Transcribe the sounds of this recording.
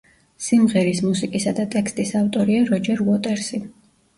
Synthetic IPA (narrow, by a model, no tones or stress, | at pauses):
simʁɛɾismusikʼisad̪at̪ʼɛkst̪ʼisaft̪ʼɔɾiaɾɔd͡ʒɛɾɔt̪ʼɛɾsi